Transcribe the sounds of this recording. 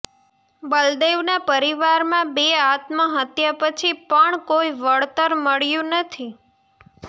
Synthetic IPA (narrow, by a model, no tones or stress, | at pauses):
bəld̪eʋnapəɾiʋaɾmãbeat̪məɦət̪japət͡ʃʰipəɳkoiʋəɭt̪əɾməɭjũnət̪ʰi